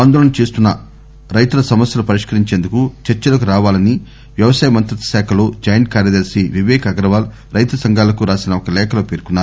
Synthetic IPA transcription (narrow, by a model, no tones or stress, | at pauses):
aːnd̪ɔːlɐnɐt͡ʃeːst̪unːɐ | ɾɐjt̪ulɐsɐmɐsjɐlupɐɾiʂkɐɾiɲt͡ʃeːnd̪ukut͡ʃɐɾt͡ʃɐlɐkuɾaːʋaːlɐni | ʋjɐʋɐsaːjɐmɐnt̪ɾɐt̪ɐ̥saːkʰɐlo̞ːd͡ʒɐjnkaːɾjɐd̪ɐɾsiʋiʋɛːkʰɐɐɡɾɐʋaːl | ɾɐjt̪ɐsɐŋɡʱaːlɐkuɾaːsinɐɔkɐlɛːkʰɐloːpeːɾkunːaːɾu